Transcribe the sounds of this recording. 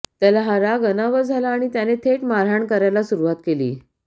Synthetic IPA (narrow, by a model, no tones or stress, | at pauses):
t̪jalaɦaɾaɡənaʋəd͡zʱalaːɽ̃it̪janet̪ʰeʈmaɾaɳkəɾajlasuɾuʋat̪kelḭː